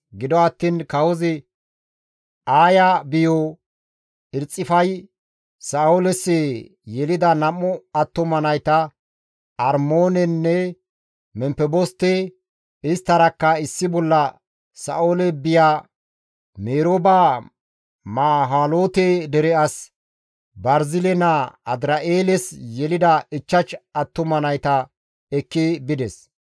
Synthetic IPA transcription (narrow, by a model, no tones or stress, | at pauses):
ɡɪd̪ɔɐt̪ːiːnkɐwɔzɛ | aːjabɪjo | ɪɾt͡sʼːɪfɐj | sɐoːlɛsɛ | jɛlɪd̪ɐnɐmːɔɐt̪ːɔmɐnɐjt̪ɐ | ɐɾmoːnɛnːɛ | mɛmpɛbɔst̪ːɛ | ɪst̪ːɐɾɐkːɐɪsːɪbɔlːɐ | sɐ̰ʔoːlɛbɪjaː | meːɾoːba | maːɦaːloːt̪ɛd̪ɛɾɛɐs | bɐɾzɪlɛnaɐd̪ɾɐʔeːlɛsjɛlɪd̪ɐɪt͡ʃːɐt͡ʃɐt̪ːʊmɐnɐjt̪ɐ | ɛkːɪbɪd̪ɛs